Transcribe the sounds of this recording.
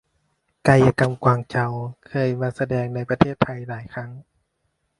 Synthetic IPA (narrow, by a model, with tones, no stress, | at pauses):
ka˧ja˧ka˧mkwaː˧ŋt͡ɕa˧wkʰɤː˧˥˨jmaː˧sa˧dɛː˧ŋna˧˩jpa˧t̪ʰeː˥˩t̪ʰːa˧jlaː˨˦jkʰa˧˩˨ŋ